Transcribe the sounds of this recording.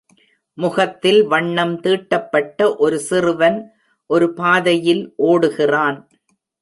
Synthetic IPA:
mʊɣɐt̪ːɪlʋɐɳːɐmt̪iːʈːɐpːɐʈːɐʔɔɾɯsɪrɯʋɐn | ʔɔɾɯpaːðɐjɪlʔoːɽɯɣɪraːn

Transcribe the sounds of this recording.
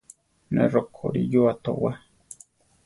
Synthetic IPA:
nḛ̃rokʰoɾijoat̪o̰wa

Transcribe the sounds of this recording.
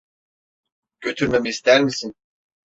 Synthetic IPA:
ɟ̥ø̞t̪ʰyɾme̞miːst̪ʰæɾmisin

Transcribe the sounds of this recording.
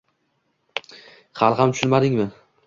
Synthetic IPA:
χɑlˠamt̪ʰʊ̥ʃʊnmad̪ɪŋmɪ

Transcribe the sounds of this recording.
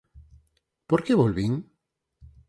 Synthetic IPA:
poɾkeβolβiŋ

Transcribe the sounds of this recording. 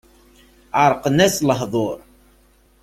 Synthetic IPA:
ʕəɾˤqənæsləɦðˤoɾˤ

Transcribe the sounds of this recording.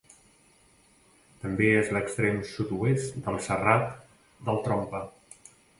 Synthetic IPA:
t̪əmbeezləkst̪ɾemsut̪uest̪d̪əlˠsərat̪ | d̪əlˠt̪ɾɔmpə

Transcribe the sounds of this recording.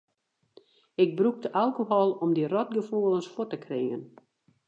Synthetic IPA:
ɪɡ̚bruk̚təʔalˠkoɦɔlˠɔmdirɔt̚ɡəfuəlˠənsfotəkʰrɪŋə̰n

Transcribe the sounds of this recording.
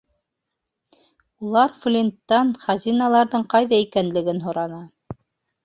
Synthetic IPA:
ulˠɑɾflʲint̪ːɑnχɑzʲinɑlˠɑɾðɤɴqɑjðɑikænlɘ̆ɡɘnɦŏɾɑnɑ

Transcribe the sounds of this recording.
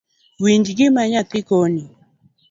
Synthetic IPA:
wɪnd͡ʒɡɪmaɲat̪ɪkoni

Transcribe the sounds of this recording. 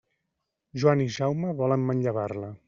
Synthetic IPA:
ʒuaniʒawməβɔlənmənʎəβarlə

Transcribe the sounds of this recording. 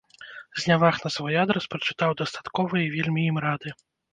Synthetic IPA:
zʲnʲavaxnɐsvɔjad̪ɾɛspɾɐt͡ʂɨ̥t̪awd̪ɐst̪ḁt̪kɔvɐivʲelʲmʲiimɾad̪ɨ

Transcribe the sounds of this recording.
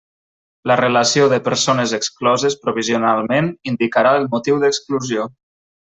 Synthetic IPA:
lərələsioðəpəɾsonəzəksklɔzəspɾuβ̞iziunalˠmenind̪ikaɾaəlˠmut̪iwðəkskluzio

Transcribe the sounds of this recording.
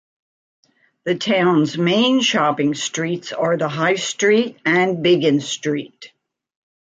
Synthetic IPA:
ðɨtʰãʊ̃nzmẽɪ̃nʃɑpɪ̃ŋstɹ̥itsə˞ðəɦaɪstɹ̥iɾɨ̃nbɪɡɨ̃nstɹ̥it̚

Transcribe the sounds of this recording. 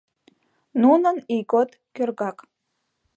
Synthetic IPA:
nunə̆niɡot̪ | kørɣɑk

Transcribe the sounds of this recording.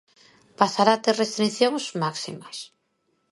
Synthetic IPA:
pasaɾat̪erest̪ɾiŋθjoŋzmaksḭmas

